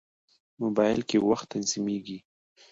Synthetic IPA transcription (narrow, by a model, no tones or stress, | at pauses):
mʊbɑjɪ̰lkewaxt̪ːanzimeɡi